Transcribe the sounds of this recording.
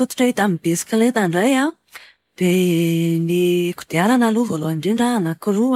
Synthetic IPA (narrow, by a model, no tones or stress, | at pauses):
t̪ut̪u̥ʈ͡ʂaɦit̪amibesi̥kʲalet̪aɳɖ͡ʐaja | d̪̥eniku̥d̪̥ealanaluvoloaɳɖ͡ʐeɳɖ͡ʐanakuɾu